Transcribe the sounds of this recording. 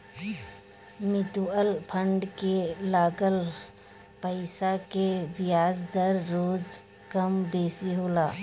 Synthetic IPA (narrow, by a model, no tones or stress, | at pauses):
mɪt̪uəlpʰə̃ɳɖkelaːɡəl | pəɪsakeʋɪjaːzd̪əɾːoːd͡ʒ | kɐmbeːsiɦoːlaː